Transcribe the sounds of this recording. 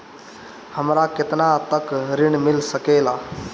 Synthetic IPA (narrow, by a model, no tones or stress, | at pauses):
həmɾakɪt̪nat̪əkɾiɳmilsəkela